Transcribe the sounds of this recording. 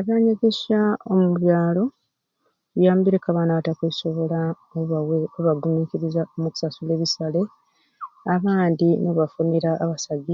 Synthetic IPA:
aβjaːɲeɡe̞ʃaomuβjaːlo̞ | jaːmbiɾe̞kaβanatakweso̞βo̞la | oeoβaɡumiːkiɾizaomuku̥sasule̞ːβisale̞ | aβaːndinoβafuniɾaʔːβasaɡi

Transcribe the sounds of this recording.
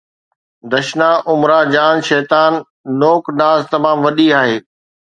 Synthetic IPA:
d̪ɐʃnaʔʊmɾad͡ʑaːnʃɛːt̪aːnː | oːknaːzt̪ɐmaːmʋɐɗiaːɦeː

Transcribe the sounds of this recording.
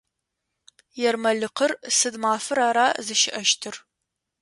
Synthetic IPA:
jɛrmɐɮɨqərsɨdmaːfɨɾaːɾaːzɨʃɪʔɐʃtʰɨr

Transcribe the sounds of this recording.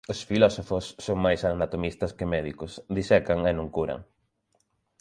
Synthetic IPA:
osfilɔsofosːoŋmajsanat̪omist̪ɐskɪmɛðikʊsd̪isɛkaŋenõŋkuɾɐ̰ŋ

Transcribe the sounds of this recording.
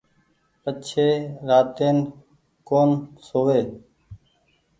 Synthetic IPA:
pət͡ʃʰeːɾaːt̪eːn | koːnsoːʋeː

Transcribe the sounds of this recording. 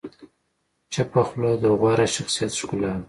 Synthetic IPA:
t͡ʃapaxlod̪əɣwaɾaʃaxsijat̪ʃkula

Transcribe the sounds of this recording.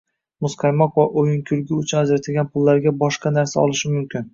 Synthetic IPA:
mʊsqʰɑjmɒqvaʔojɪŋkʲʰʊɾɡʲɪʊt͡ʃʰʊnazɾat̪ʰɪlɡʲanpʰʊlˠːaɾɡʲabɒʃqɑnaɾsaɒ̰lˠɪʃɪmʊmkʲɪn

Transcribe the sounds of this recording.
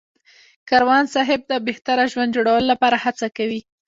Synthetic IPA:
kaɾwɑnsɑɦɪb̚d̪əbeht̪aɾaʒwand̪d͡ʒoɽawəlolapɑɾahat͡sakawi

